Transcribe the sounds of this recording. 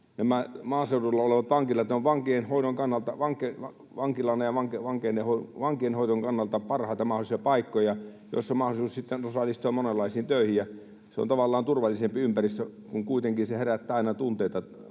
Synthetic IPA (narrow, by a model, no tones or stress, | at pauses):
næmæmɑːseudulːɑoleʋɑt̪ʋɑŋkilɑt̪noʋʋɑŋkienhoˑinoŋkɑnːɑlt̪ɑʋɑŋke | ʋɑŋkilɑnːɑjɑʋɑŋkeʋɑŋkeːnːehoʋɑŋkienhoˑit̪oŋkɑnːɑlt̪ɑpɑrhɑˑit̪ɑmɑholisiɑpɑikːojɑ | jo̰sːomɑholisuːssit̪ːenosɑlːˑist̪uɑmonelːɑˑisiːnt̪øˑihijjɑ | seo̰nt̪ɑʋɑlːɑːnt̪urʋɑlːˑisempiympærist̪økuŋkuit̪eŋkinseheræt̪ːæːɑinɑt̪unt̪eˑit̪ɑ